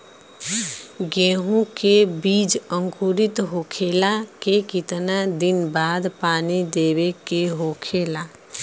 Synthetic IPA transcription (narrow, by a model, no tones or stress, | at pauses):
ɡeɦũkebid͡ʒə̃ŋkuɾit̪ɦokʰelakekit̪nad̪inbad̪paːnid̪eβekeɦokʰela